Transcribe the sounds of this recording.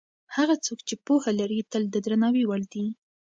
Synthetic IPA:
haɣat͡sokt͡ʃepohalaɾit̪əld̪əd̪ɾanɑwiwaɽd̪i

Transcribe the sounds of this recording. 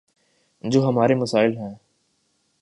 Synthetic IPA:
d͡ʒoːɦɐmaːɾeməsaːɪlɦɛ̃ː

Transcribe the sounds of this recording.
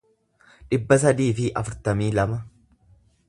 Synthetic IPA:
ᶑɪbːɐsɐd̪iːfɪʔɐfʊɾt̪ɐmiːlɐmɐ

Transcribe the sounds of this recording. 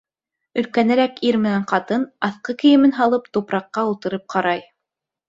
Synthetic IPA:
ɵ̆lkænæɾækiɾmɘ̆næɴqɑt̪ɤnɑθqɤkɘ̆jɘ̆mɘnɦɑlˠɤpt̪upɾɑqːɑulˠt̪ɤ̆ɾɤp̚qʰɑɾɑj

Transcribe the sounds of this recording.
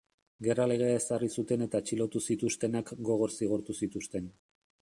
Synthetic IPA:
ɡe̞rale̞ɣ̞e̞ae̞sarisut̪e̞ne̞t̪at͡ʃilo̞t̪usit̪ust̪e̞nakɡo̞ɣ̞o̞ɾsiɣ̞oɾt̪usit̪ust̪e̞n

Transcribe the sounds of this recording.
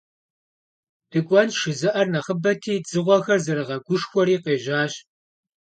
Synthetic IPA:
d̥ɨkʷʼɔnʃɨzɨʔɐrnɐχəbɐtʰiːd͡zɨʁʷɔxɐrzɐɾɨʁɐɡʷʊʂxʷɔɾiːqeːʒaːɕ

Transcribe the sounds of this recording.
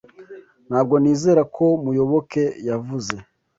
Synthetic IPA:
n̥haːb̚ɡo̞niːzeːɾakʰo̞mujo̞βo̞kʰe̞javuze̞

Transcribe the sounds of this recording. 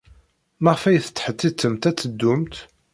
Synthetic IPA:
maʁəfæjθət͡sːħət̪ːit͡sːəmt̪æt͡sːəd̪ːumt̪

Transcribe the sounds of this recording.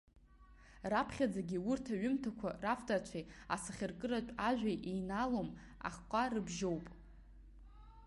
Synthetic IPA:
rapʰχʲad͡zaɡʲiurtʰaɥʏmtʰakʷʰaraftʼart͡ʃʷʰaja̰sɨχʲɪrkʼɨrat͡ʃʷʼaʒᶣʷajʔejnalom | a̰χqʷʼarɨbʒowpʼ

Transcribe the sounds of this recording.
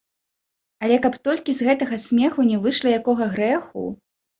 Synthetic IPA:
ɐlʲɛkapt̪ɔlʲkʲizɣɛt̪ɐɣɐsʲmʲɛxunʲɛvɨʂlˠɐjakɔɣɐɣɾɛxṵ

